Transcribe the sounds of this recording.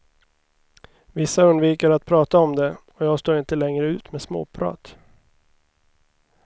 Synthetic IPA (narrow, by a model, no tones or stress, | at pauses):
vɪsːaɵnd̪viːkəɾat̪̚pʰɾɑːt̪aɔmd̪ɛɔjɑːɡst̪oːɾɪnt̪əlɛŋɾəʉ̟ːt̪mɛsmo̰ːpʰɾɑ̰ːt̪